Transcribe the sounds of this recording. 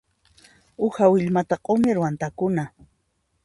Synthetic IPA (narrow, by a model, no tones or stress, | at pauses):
ʊhawɪʎmat̪aqʼomɪɾwant̪akʊna